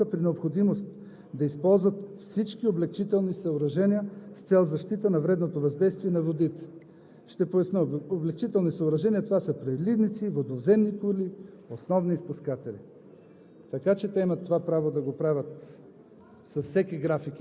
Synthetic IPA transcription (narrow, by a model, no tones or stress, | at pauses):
əpɾinɛopxod̪imost̪ | d̪ɐispɔlˠzvɐt̪fsit͡ʃkioblɛk̚t͡ʃit̪ɛlˠnisɐoɾɐʒɛniəst̪sɛlˠzɐʃt̪it̪ənɐvɾɛd̪not̪ovɐzd̪ɛjst̪viɛnɐvod̪it̪ɛ̥ | ʃt̪ɛpojɐsnəoblɛkt͡ʃit̪ɛlˠnisɐoɾɐʒɛniət̪ovasəpɾɛd̪lid̪nit̪sivod̪ovzɛmnikuli | osnɔvniːspuskat̪ɛlḭ | t̪ɐkat͡ʃɛt̪ɛimɐt̪ːovapɾavod̪ɐɡopɾavʲət̪ | sɐssɛkʲiɡɾafik